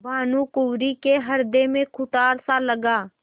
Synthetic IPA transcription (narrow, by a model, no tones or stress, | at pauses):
bʱaːnukʊwɾikeɦɐɾd̪emẽkʰʊt̪aːɾsaləɡaː